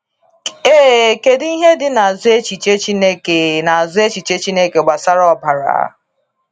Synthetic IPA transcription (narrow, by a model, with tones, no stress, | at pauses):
e˦˨ke˨di˦ɦe˦dɪ˦na˨a˨zʊ˦e˦t͡ʃi˨t͡ʃe˦t͡ʃi˦ne˦ke˨na˨a˨zʊ˦e˦t͡ʃi˨t͡ʃe˦t͡ʃi˦ne˦ke˨ɡ͡ba˨sa˦ɾɔ˦ba˨ɾa̰˨a̰˦